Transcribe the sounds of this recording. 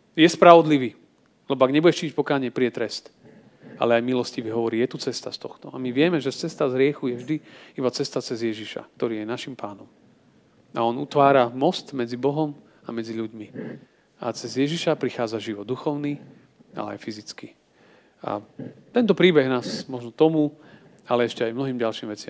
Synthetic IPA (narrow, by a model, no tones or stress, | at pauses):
jɛspɾaʋɔd̪liʋiː | lɛbɔaɡɲɛbuɟɛʃt͡ʃiːc̚pɔkaːɲɪɛpɾiɛt̪ɾɛst̪ | a̰lɛajmilɔsciʋiɦɔʋɔɾiːjɛt̪ut͡sɛst̪ast̪ɔxt̪ɔamiʋɪɛmɛʒɛt͡sɛst̪azɦɾɪɛxujɛvʒd̪iibat͡sɛst̪at͡sɛzjɛʒiʃa̰kt̪ɔɾiːjɛnaʃimpaːnɔm | a̰ɔnut̪ʋaːɾamɔst̪mɛd͡zibɔɦɔm | amɛd͡ziʎuɟmi | at͡sɛzjɛʒiʃapɾixaːd͡zaʒiʋɔd̪ːuxɔʊni | a̰lɛ̰a̰jfizit͡ski | a̰t̪ɛnt̪ɔpɾiːbɛɣnaːsmɔʒnɔt̪ɔmu | alɛɛʃcɛajmnɔɦiːmɟalʃiːmʋɛt͡sɪam